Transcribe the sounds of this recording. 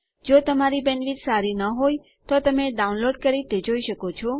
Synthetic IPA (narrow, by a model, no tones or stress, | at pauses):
d͡ʒot̪əmaɾibɛnʋit̪saɾinəɦoj | t̪ot̪əmeɖaunloɖkəɾit̪ed͡ʒoiʃəkot͡ʃʰɔ